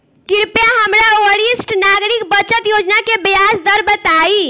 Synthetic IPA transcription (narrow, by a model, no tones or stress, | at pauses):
kiɾpjaɦəmɾaoɾisʈnaɡɾikbət͡ʃət̪jod͡ʒnakebejasd̪əɾbət̪ai